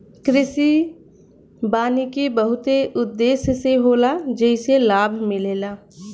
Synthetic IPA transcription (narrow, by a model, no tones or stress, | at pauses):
kɾɪsi | baːnikebəɦʊt̪eʔʊd̪ːeːsseɦoːlad͡ʒəɪselaːbʱmɪleːlaː